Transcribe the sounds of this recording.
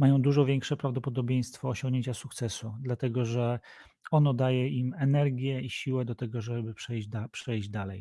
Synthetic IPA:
majɔ̃w̃d̪uʐɔvʲjɛŋkʂɛpɾavd̪ɔpɔd̪ɔbʲjej̃st̪fɔːɕɔŋɡɲeɲt͡ɕasuk̚t̪sɛsud̪lat̪ɛɡɔʐɛ | ɔnɔd̪ajɛimɛnɛɾɡʲjɛiɕiwɛd̪ɔt̪ɛɡɔʐɛbɘpʂɛjd͡ʑd̪apʂɛjʑd͡ʑd̪alɛj

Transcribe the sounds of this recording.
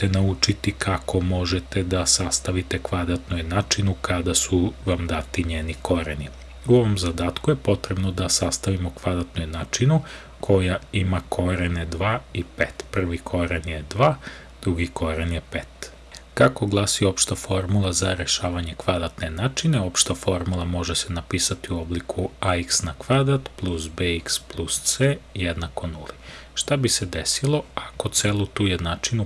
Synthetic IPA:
t̪enaut͡ʃit̪ikʰako̞mo̞ʒet̪ed̪asast̪aʋit̪e̞kʋad̪ɾat̪nojnat͡ʃinukʰad̪asuʋamd̪at̪iɲeːniko̞ɾeni | uo̞ʋo̞mzad̪aːt̪kuje̞po̞t̪ɾebno̞d̪asast̪aʋimokʋad̪ɾat̪nojnaːt͡ʃinu | kʰojaimakʰo̞ɾened̪ʋaːipḛːt̪pr̩ʋikʰo̞ɾenje̞d̪ʋaː | d̪ɾuɡikʰo̞ɾenjepeːt̪ | kako̞ɡlˠasio̞pʃt̪afo̞ɾmulˠazaɾeʃaːʋaɲe̞kʋad̪ɾat̪ne̞naːt͡ʃineo̞pʃt̪afo̞ɾmulˠamo̞ʒese̞napiːsat̪iuo̞blikʰuaiksnakʋad̪ɾat̪plˠusbeiksplˠust̪sejed̪nako̞nulˠi | ʃt̪abised̪esilˠo̞ako̞t̪selˠut̪uːjed̪nat͡ʃinu

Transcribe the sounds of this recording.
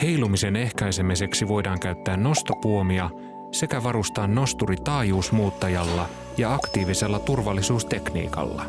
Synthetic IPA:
he̞jlumise̞ne̞hkɑjse̞mise̞ksiʋo̞jdɑːŋkæɥt̪ːæːnːo̞st̪opuo̞miɑ | se̞kæʋɑɾust̪ɑːnːo̞st̪urit̪ɑːjuːsmuːt̪ːɑjɑlːɑ | jɑɑkt̪iːʋise̞lːɑt̪urʋɑlːisuːst̪e̞knḭːkɑ̰lːɑ̰

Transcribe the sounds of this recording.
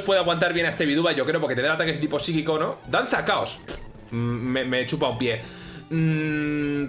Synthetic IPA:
spwe̞ðoaɣwant̪̬aɾβje̞naest̪e̞βiðuβaʝo̞kɾepoɾket̪enɾat̪aket̪ipo̞sikikonod̪anθakaos | meme̞t͡ʃupaumpje̞

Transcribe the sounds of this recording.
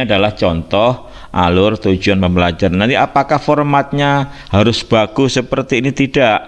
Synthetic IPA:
adalaht͡ʃɔnt̪ɔh | ʔa̰lʊrt̪u̥d͡ʒuanməməlad͡ʒaɾnant̪iʔapakahfɔrmat̪̚ɲahaɾʊsb̥aɡ̥ʊsəpərt̪iːnit̪idaʔ

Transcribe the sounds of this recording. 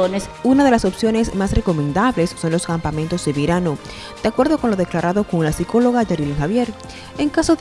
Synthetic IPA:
onesunað̞e̞laso̞psjo̞ne̞smasre̞ko̞mẽ̞nd̪aβle̞sːo̞nlo̞skampament̪o̞zd̪eβiɾano̞ | d̪̥eakwe̞ɾðo̞ko̞nlo̞ðeklaɾaðo̞ko̞ŋlasiko̞lo̞ɣad͡ʒaɾileŋxaβje̞ɾ | eŋkaso̞

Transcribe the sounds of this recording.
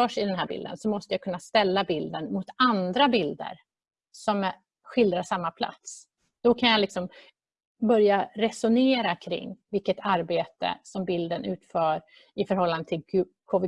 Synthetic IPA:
œːʂɪd̪ɛnɦæːɾbɪ̰ld̪ə̰nsɔmɔst̪əjakʰɵnːast̪ɛlːabɪld̪ənmʊt̪ʰand̪ɾabɪld̪ə̰ɾ | sɔm | ɧɪld̪ɾaʂamːapʰla̰t̪s | d̪̥ɔkʰanjalɪksɔm | bœɾjaɾɛsʊneːɾakʰɾɪ̰ŋːvɪlkːət̪ʰaɾbeːt̪ə̰sɔmbɪld̪ənʉ̟ːt̪fœːɾ | ɪfœɾɦɔlːand̪ət̪ʰɪl | kʰɔvɪ

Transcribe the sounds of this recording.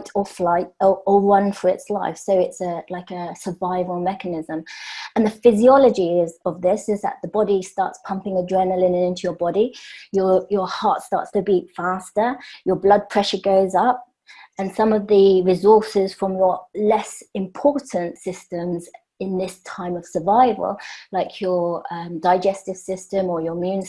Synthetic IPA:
tʰəflaɪtəəɹʌ̃nfə˞ɪtslaɪfsoʊɪtsəlaɪkəsəvaɪvəlˠmɛkənɪzə̃mə̃nðəfɪziɒləd͡ʒiɪzəvðɪsɪzðə̰ʔ̪ðəbɒɾistɑ̰ˑɹtspʰʌ̃mpɪ̃ŋədɹɛnəlɪ̃nə̃nɪ̃ntʰʉjə˞bɒɾijəjəhɑˑtstɑ̰ˑtstʰəbitfaˑstəjə˞blʌd̚pʰɹ̥ɛʃəɡəʊzʌp̚ | ə̃nsʌ̃məvðəɹɪzɔˑsɪz̥fɹə̃mjə˞lɛsɪ̃mpʰɔˑɹʔn̩tsɪstə̃mz | ɪ̃nðɪstʰãɪ̃məv̥səvaɪvə̰lˠlaɪkʰjəʌ̃mdaɪd͡ʒɛstɪv̥sɪstə̃məjəmjʉ̃ːn

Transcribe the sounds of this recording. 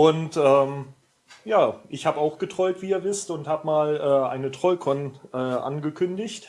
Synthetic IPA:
ʔʊntʔɛːm | jaːʔɪçhaːbəaʊxɡ̥ətʁ̥ɔʏtv̥iːiːɐvɪstʊnthaːbəmaːlʔɛːʔa̰ɪnətʁ̥ɔlkʰɔnʔɛːʔa̰nɡəkʰʏndɪçt

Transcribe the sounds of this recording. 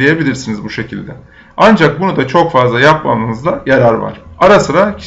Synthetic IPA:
ejebilʲiɾsinizbuʃe̞cʰilʲd̪ɛ | and͡ʒak̚bunud̪at͡ʃʰo̞kfazlˠajap̚ma̰lˠɯnɯzd̪ajaɾaɾva̰ɾ̥aɾasɯɾacʰ

